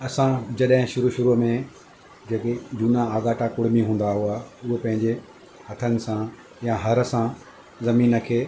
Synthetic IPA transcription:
ɐsãd͡ʑɐɗɦɪ̃ʃʊɾuʃʊɾumẽ | d͡ʑeːked͡ʑuːnãaːɡaːʈakʊɽ̤ɪmiɦũːn̆d̪aɦuaʊɦpɐ̃ɦɪ̃ɲd͡ʑe | hɐt̪ʰənɪ̆sã | jaɦɐɾə̆sã | zɐmiːnə̆kʰeː

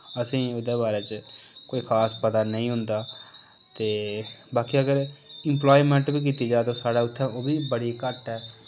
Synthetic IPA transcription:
əsĩːʊd̪eːbaːɾeːt͡ʃkoːiːkʰaːspət̪aːnəĩːɦʊnd̪aː | t̪eːbaːkiːəɡəɾɪmplaːiːmɛ̃ɳʈbiːk̬iːt̪iːd͡ʒaːt̪oːsaːɽaːʊt̪ʰːɛ̃ːoːbiːbəɽiːkəʈɛː

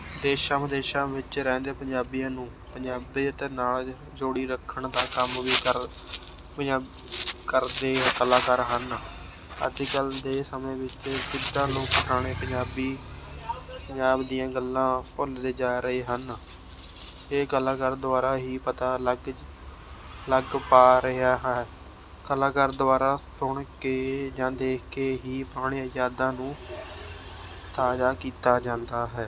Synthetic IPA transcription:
d̪eːʃãːməd̪eːʃãːʋɪt͡ʃɾɛ̃ːnd̪eːpəɲd͡ʒaːbijãːnũː | pəɲd͡ʒaːbeːt̪eːnaːl | d͡ʒoːɽiːɾəkʰːəɳd̪aːkəmʋiːkəɾ | pəaː | kəɾd̪eːkəlaːkəɾɦən | ə̰d͡ʒkəld̪eːsəmẽːʋɪt͡ʃd͡ʒɪd̪ãːloːkt̪ʰaːɽ̃ẽːpəɲd͡ʒaːbiː | pəɲd͡ʒaːbd̪ijãːɡəlːãːpʊld̪eːd͡ʒaːɾəeːɦən | eːkəlãːkəɾd̪ʊʋaːɾaːɦiːpət̪aːləɡ | ləɡpaːɾəaːɦ | kəlãːkəɾd̪ʊʋaːɾaːsʊɳkeːd͡ʒãːd̪eːkʰkeːɦiːpaːɽ̃iːəjaːd̪ãːnũː | t̪aːd͡ʒaːkiːt̪aːd͡ʒãːnd̪aːɦɛː

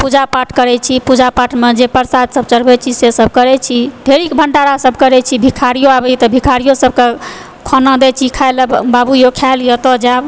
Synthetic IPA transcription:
pud͡ʒapaʈkəɾɛt͡ʃʰipud͡ʒapaʈmed͡ʒepəɾsad̪ʱsəb̚t͡ʃəɽbɛt͡ʃʰisesəb̚ʱkəɾɛt͡ʃʰid̪ʱeɾikbʱəɳɖaɾasəbʱkəɾɛt͡ʃʰibʱikʰaɾijoabɛt̪ɔbʱikʰaɾijosəb̚ke | kʰɔnãd̪ɛt͡ʃʰikʰaelbabujokʰaljət̪ɔd͡ʒab

